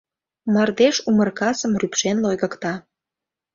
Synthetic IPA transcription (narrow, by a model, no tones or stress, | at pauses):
mɑrd̪eʃumərkɑsəmrypʃenlojɣə̆kt̪ɑ